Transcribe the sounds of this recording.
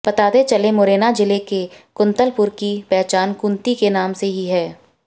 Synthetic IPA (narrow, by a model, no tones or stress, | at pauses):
b̥ɐt̪aːd̪et͡ʃɐlẽmoɾeːnad͡ʒɪlekekʊ̃nt̪əlpʊɾkipɛːt͡ʃaːnkʊ̃nt̪ikenaːmseɦiɦɛː